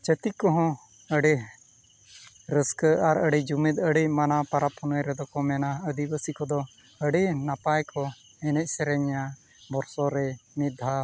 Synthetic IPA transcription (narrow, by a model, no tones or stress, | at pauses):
t͡ʃət̪ikɔɦɔ̃ | əɖɛ | ɾəskəaɾəɖɛd͡ʒumit̪əɖɛcmanapaɾapɔnəjɾɛd̪ɔkɔmɛnaəd̪ibəsikɔd̪ɔ | əɖɛnapajkɔ | ɛnɛc̚ˀsɛɾɛɲa | bɔɾsɔɾɛmid̪ʱːa